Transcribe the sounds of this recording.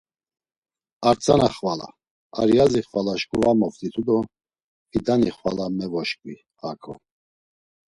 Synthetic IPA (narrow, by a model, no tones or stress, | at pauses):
aɾt͡sʼanaχvala̰ | a̰ɾjaziχvalaʃkʼuvamɔft̪ʼit̪ʰud̪ɔ | hid̪aniχva̰lamɛvɔʃkʼvi | hakʰʼɔ̰